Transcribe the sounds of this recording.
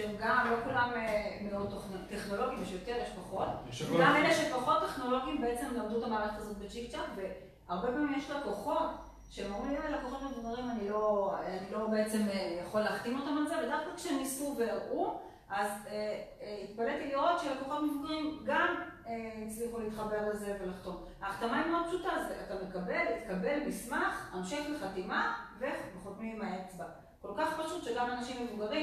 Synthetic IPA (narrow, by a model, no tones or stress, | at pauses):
ʃeemɡamlo̞kulamemeod̚t̪ːoχnteχno̞lo̞ɡimiʃjot̪eʁjeʃpaχo̞t̪ɡameleʃepaχo̞t̪ːeχno̞lo̞ɡiimbe̞et͡se̞mloːd̪utamaːlaχazo̞t̪bet͡ʃikt͡ʃapve̞ | aʁbe̞paːmimjeʃloko̞χo̞t | ʃemaʁuivetlakoχo̞t̪medovaʁimanilo̞anilo̞be̞et͡se̞mejaχo̞leaχt̪imot̪amalzevedafkakʃeenisuveaʔu | ʔazeit̪paletiliʁo̞t̪ʃelako̞χot̪mevuɡaʁimɡameit͡sliχulit̪χabe̞ʁleze̞ve̞laχt̪o̞m | aːχt̪amaimad̚pʃutazeatamekabe̞lit̪kabe̞lmismaχanʃe̞χleχatimavebeχot̪mimaet͡sba | ko̞lkaχpaʃut̪ʃeɡamanaʃimːevuɡaʁi